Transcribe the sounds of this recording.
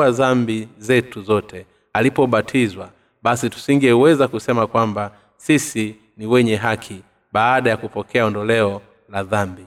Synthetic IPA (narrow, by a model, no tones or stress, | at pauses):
aðambizɛtuzɔtʰɛ | alipɔɓatʰizwa | ɓasitu̥siŋɡɛwɛzakusɛmakwamba | sisi | niwɛɲɛɦakʰi | ɓaːɗajakupɔkɛaɔndɔlɛɔ | laðambi